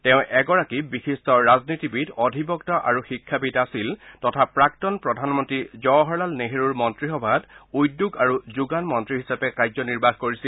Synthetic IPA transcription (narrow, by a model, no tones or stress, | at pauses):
tɛʊ̃ʔɛɡɔɹakibixistɔɹaznitibitɔdʱibɔktɔʔaɹuxikʰːabitasiltɔtʰapɹaktɔnpɹɔdʱanmɔntɹizɔɦɔɹlalneɦeɹuɹmɔntɹixɔbʱadujdːuɡaɹuzuɡanmɔntɹiɦisapɛkajzɔniɹbaxkoɹisil